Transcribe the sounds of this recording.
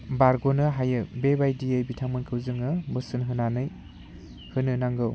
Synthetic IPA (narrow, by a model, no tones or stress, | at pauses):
baɾɡonɯɦajɯbebajdiejbitʰamɯnkʰɯwzɯŋɯbɯsɯnɦɯnanɯj | hɯnɯnaŋɡɯw